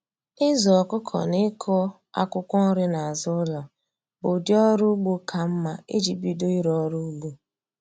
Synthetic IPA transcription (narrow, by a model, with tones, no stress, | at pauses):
ɪ˦zɔ˨kʊ˦kʰɔ̰˨nɪ˦kʰɔ˦ | a̰˦kʷʊ˦kʷɔ˦ɾɪ˦na˨a˨zʊ˦la˨ | bʊ˨djɔ˦ɾʊ˦ɡ͡bu˦kʰa˨m̩˦ma˨e˦d͡ʒi˨bi˨do˦i˦ɾɔ˦ɾu˦ɡu˦